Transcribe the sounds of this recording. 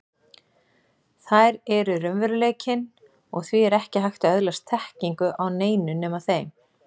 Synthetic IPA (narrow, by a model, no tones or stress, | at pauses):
θajɾɛɾʏɾʏmvɛɾʏleːjcɪn | ɔɣθviɛɾɛhcɪɦajxt̪aœðlast̪ʰɛhciŋkʏʔawneːjnʏnɛːmaθejm